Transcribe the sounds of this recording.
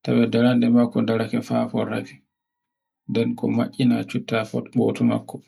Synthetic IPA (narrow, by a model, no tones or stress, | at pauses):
taɓɛdaɾandɛmakːɔdaɾakɛfafɔ̰ɾa̰kɛ̥ | ndɛnkɔ̰maʔʲːinat͡ʃutːafɔ̰ɓɔ̰tɔma̰kːɔ̥